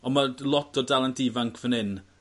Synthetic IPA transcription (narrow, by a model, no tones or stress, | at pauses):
ɔnmalˠɔtɔdalˠandiːvaŋkʰvənɪn